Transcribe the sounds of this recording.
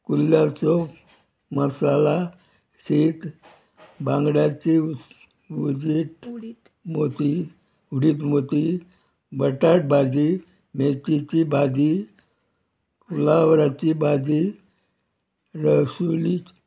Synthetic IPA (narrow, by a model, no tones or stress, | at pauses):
kulːjat͡sɔ | məsala | ɕiːt̪ | bãŋɡɽjat͡ɕi | ʋud͡ʑit̪ | mot̪i | uɽiːt̪mot̪i | bəʈaʈ̚bad͡ʑi | met͡sit͡ɕibad͡ʑi | kulaʋɾat͡ɕiːbad͡ʑi | ɾəɕuli